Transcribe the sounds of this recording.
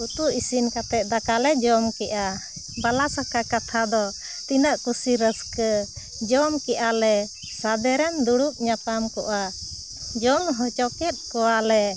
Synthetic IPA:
ut̪uisinkat̪ɛʔ̪̚d̪akalɛd͡ʒɔmkɛʔa | balasakakat̪ʰad̪ɔ | t̪inaʔkusiɾəskə | d͡ʒɔmkɛʔalɛ | sad̪ɛɾɛnd̪uɽup̚ɲapamkɔʔa | d͡ʒɔmɦɔt͡ʃɔkɛt̪̚kɔwalɛ

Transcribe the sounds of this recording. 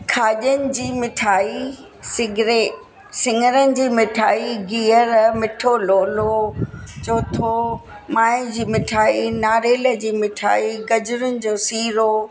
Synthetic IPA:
kʰaːʄənɪ̆d͡ʑiːmɪʈʰaːi | sɪɡɪɾeː | sɪŋəɾənɪ̆d͡ʑiːmɪʈʰaːiɡiːəɾmɪʈʰoloːlot͡ɕoːt̪ʰo | maːɪd͡ʑiːmɪʈʰaːinaːɾeːlə̆d͡ʑiːmɪʈʰa̰ːiɡɐd͡ʑʊɾənɪ̆d͡ʑoːsiːɾo

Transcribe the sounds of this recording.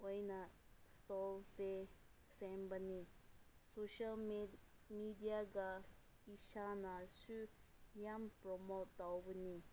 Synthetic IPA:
ojnastɔlse | sɛmbənisoʃal | midijaɡa | iʃanasujampɾɔmotːawbəni

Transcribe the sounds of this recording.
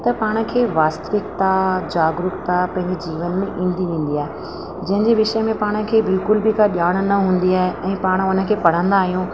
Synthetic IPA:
t̪ɐpaːɽ̃ə̆kʰeːʋaːst̪əʋɪkt̪ad͡ʑaːɡɾʊkt̪apɐ̃ɦɪ̃ɲd͡ʑed͡ʑiːʋənmẽʔĩːnd̪iʋĩːn̆d̪iaːɦe | d͡ʑɐ̃ɦɪ̃ɲd͡ʑeʋɪʃəmẽpaːɽ̃ə̆kʰeːbɪlkʊlbɪkaɗaːɽ̃̆nɐɦũːn̆d̪iaːɦeʔɛ̃ːpaːɽ̃ʊnə̆kʰeːpɐɽ̤ə̃nd̪aːɦijũː

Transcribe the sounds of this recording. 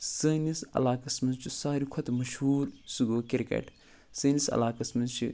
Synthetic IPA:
səːnisɐ̰laːkɐsmɐnzt͡ʃʰisaːɾikʰot̪mɐʃhuːɾsuɡoːkiɾkɐ̰ʈ | sɨːnisɐ̰laːkɐsmɐnzt͡ʃʰḭ

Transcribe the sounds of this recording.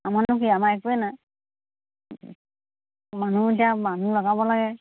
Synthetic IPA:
amanʊkiamaɛkuɛna | manuitijamanulɔɡabɔlaɡɛ

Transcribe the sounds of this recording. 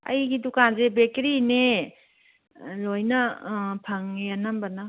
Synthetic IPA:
ɐ̰jɡidukazebekɾine | lojnɐpʰaŋjanambana

